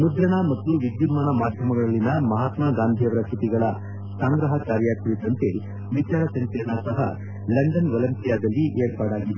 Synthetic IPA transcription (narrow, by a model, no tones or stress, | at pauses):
mud̪ɾɐɳɐmɐt̪ːuʋid̪jumaːnɐmaːd̪ʱjɐmɐɡɐɭɐɭːinɐmɐɦaːt̪maːɡaːnd̪ʱijɐʋɐɾɐkʰit̪iɡɐɭɐ | saːŋɡɾɐɦɐkaːɾjakuɾid̪ɐnt̪e̞ | ʋit͡ʃaːɾɐsɐŋkɐɳɐsɐɦɐ̰ | lɐɳɖɐnʋɐlɐnt̪ijaːd̪ɐlːiʔeːɾpaːɽaːɡid̪e